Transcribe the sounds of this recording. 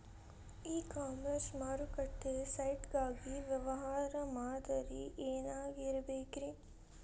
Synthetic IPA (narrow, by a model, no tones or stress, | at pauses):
iːkaːmɐɾsmaːɾukɐʈːesɐjʈɡaːɡiʋjɐʋɐɦaːɾɐmaːd̪ɐɾiʔeːnaːɡiɾɐbeːkiɾe